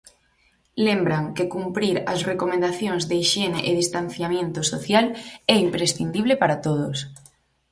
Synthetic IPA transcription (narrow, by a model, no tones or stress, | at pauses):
lembɾaŋkekumpɾiɾa̰srekomẽnd̪aθjoŋzðeiʃeneʔeðist̪an̟θjamjẽnt̪osoθjalɛimpɾesθind̪iβ̞lepaɾat̪oðos